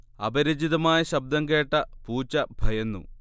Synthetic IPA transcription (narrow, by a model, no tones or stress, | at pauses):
ɐbɐɾid͡ʑiðɐmaːjɐɕɐb̚d̪ɐŋke̞ːʈːɐpuːt͡ɕːɐbʱɐjɐnːṵ